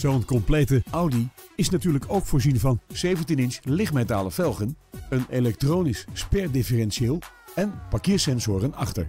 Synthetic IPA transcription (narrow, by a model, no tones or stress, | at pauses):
z̥owənkɔmplejtəawdiɪsnatyːɹləkʰowkfʊːɹzinvɑnz̥ejvəntinɪnslɪχtmetaːləfɛlˠχənənelɛk̚trownisspɛɹdɪfərɛnsieːlˠ | ɛnpakɪːɹsɛnzʊːrənɑχtə̰ɹ